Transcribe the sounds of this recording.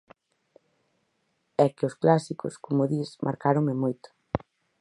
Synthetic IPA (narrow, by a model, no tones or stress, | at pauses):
ɛkɪʊsklasikʊ̰skomʊðismʔa̰ɾkaɾoŋmɪmojt̪ʊ̥